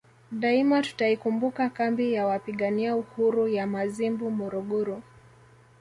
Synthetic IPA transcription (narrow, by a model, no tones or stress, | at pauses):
ɗaimatu̥taikumbukakambijawapiɠaniauhuɾujamazimbumɔɾɔɠɔɾu